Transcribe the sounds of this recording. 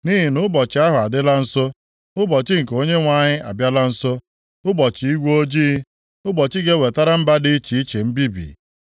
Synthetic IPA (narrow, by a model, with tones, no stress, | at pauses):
ni˦ɦi˨nʊ˦bɔ˨t͡ʃɪ˨˦a˦ɦʊ˨a˨dɪ˦la˦n̩˦so˦ | ʊ˦bɔ˨t͡ʃɪ˦ŋ̩˨ko˦ɲe˦ŋʷa˨ɲɪ˦a̰˨bja˦la˦n̩˦so˦ | ʊ˦bɔ˨t͡ʃi˨i˦ɡʷo˦d͡ʒiː˦ | ʊ˦bɔ˨t͡ʃɪ˦ɡe˦we˨ta˦ɾa˦m̩˦ba˦dɪ˦i˦t͡ʃi˨i˦t͡ʃe˨m̩˦bi˦bḭ˨